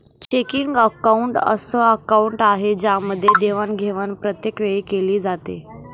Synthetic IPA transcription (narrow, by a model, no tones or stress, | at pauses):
t͡ɕekiŋɡəkauɳʈə̰səːəkauɳʈaɦed͡ʑjaməd̪ʱːjed̪eʋənɡʱeʋənpɾət̪jekʋeɭikeliːd͡zat̪ḛ